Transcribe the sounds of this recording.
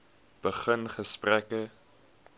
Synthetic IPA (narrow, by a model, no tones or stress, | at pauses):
b̥əχənχəsprækə